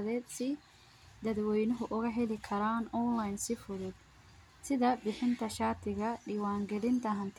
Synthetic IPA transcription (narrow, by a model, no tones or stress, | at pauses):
ðɛːd̪sɪ | d̪ɐd̪wɛjnɔɦʊʔʊɣɐɦɛlɪkʰɐɾaːnɔnlajnsɪfʊðʊd̪̚ | sɪðɐbɪħɪnt̪ʰɐʃaːt̪ʰɪɣɐɖɪwaːŋɡɛlɪnt̪ʰɐɦɐnt̪ʰ